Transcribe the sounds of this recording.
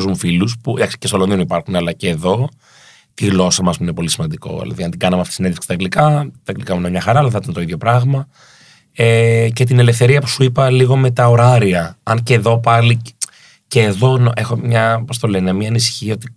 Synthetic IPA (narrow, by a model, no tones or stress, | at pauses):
zmufiluspud̪ɐksi̥cest̪oloðionipɐɾxunɐlɐce̞ːðo̞ | t̪iɣlo̞sɐmɐzmuinepo̞lisimɐnd̪iko̞̰ðḭlɐ̰ðiɐnd̪iɡɐnɐmeɐft̪isineðesksit̪ɐɡlikɐt̪ɐŋɡlikɐmuinemɲɐxɐɾɐɐlɐθit̪ɐnt̪oiðʝo̞pɾɐɣmɐ | ece̞t̪̬ine̞le̞fθe̞ɾiɐpu̥suipɐliɣo̞me̞t̪ɐo̞ɾɐɾiɐɐnceːðo̞pɐli | ceːðo̞nʔexo̞mɲɐpo̞st̪ole̞nemiɐːnisi̥çio̞t̪i